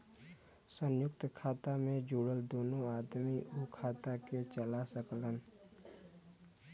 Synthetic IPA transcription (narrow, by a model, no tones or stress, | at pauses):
sə̃njʊk̚t̪kʰaːt̪amẽd͡ʒuːɽəld̪oːnõaːd̪miʔukʰaːt̪aket͡ʃəlasəklən